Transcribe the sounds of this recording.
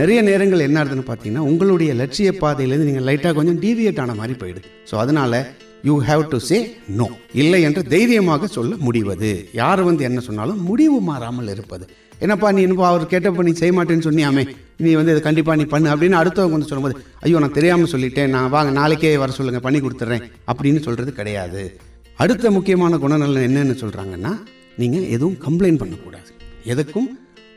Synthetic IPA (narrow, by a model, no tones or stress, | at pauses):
nɛɾɐjɐneːɾɐŋɡɐɭɛnːaːɾɐðɯnːɯpaːɾt̪iŋɡɐnːaːʊŋɡɐɭɯɽɐjɐlɛʈʂɪjɐpːaːðɐjɪlɛɾnd̪ɯniːŋɡɐlɐɪʈːaːkɔɲd͡ʒɔ̃ɖiːɾɪɐʈːaːnɐmaːd̪ɾipo̰ːjɪɽɯðɯ | so̰ːɐðɯnaːlɐ | juːɦɛːʋʈuseːnoːɪlːɐɛndrɯd̪ɛjɾɪjɐmaːɣɐsɔlːɐmʊɽɪʋɐðɯ̰jaːɾɯʋɐnd̪ɯɛnːɐsɔnːa̰ːlʊ̃mʊɽɪʋɯmaːɾaːmɐlɪɾɯpːɐðɯ | ɛnːɐpːaːnĩːɛnːɯp̬ːoɐʋɐɾɯkeːʈːɐpːɐnːiːsɛjɐmaːʈːeːnːɯsɔnːɪjaːmẽː | niːʋɐnd̪ɯɐðɯkɐɳɖɪp̬ːaːniːpɐnːɯɐp̬ːɐɽɪnːaːɐɽɯt̪ːɐʋɐŋɡɐʋɐnd̪ɯsɔlːɯmpoːðɯ | ʔɐjːoːnãːt̪ɛɾɪjaːmɐsɔlːɪʈːẽːnãːʋaːŋɡɐnaːlɛkːeːʋɐɾɐsɔlːɯŋɡɐpɐɳːikɔɽɯt̪ːɯɾẽː | ɐpːɐɽɪnːɯsɔlɾɐðɯkɪɽɐja̰ːðɯ | ɐɽɯt̪ːɐmʊkːɪjɐmaːnɐɡʊɳɐnɐlːɛnːɐɛnːɯsɔlɾa̰ːŋɡɐnːaː | niːŋɡɐʔɛ̰ðɯʋɯmkɐmplɐɪnpɐɳːɐkːuːɽa̰ːðɯɛðɐkːɯm